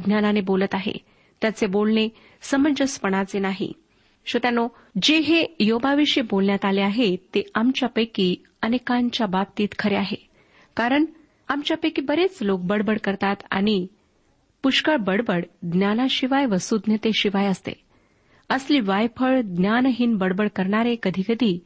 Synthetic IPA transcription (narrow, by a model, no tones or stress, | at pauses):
d̪njananebolət̪aɦḛ | t̪jat͡sebolɳe | səməd͡ʑəspəɳ̃at͡senaɦḭ | ɕət̪jano | d͡ʑeɦejobaʋiɕibolnjat̪aleaɦet̪eamt͡ɕjapəjkiː | ənekaɲt͡ɕjababt̪iːt̪kʰəɾeaɦe | kaɾəɳ | amt͡ɕjapəkibəɾet͡slok̚bəɽbəɽkəɾt̪at̪a̰ɽ̃i | puʂkəɭbəɽbəɽd̪njanaɕiʋajʋəsud̪nət̪eɕiʋajəst̪ḛ | əsliːʋajpʰəɭd̪njanəɦinbəɽbəɽkəɾɳaɾekəd̪ʱikəd̪ʱiː